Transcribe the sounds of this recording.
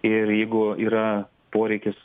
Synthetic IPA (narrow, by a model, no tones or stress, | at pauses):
ɪɾjɛɪɡʊiːɾɐ | poːɾʲɛɪkʲɪs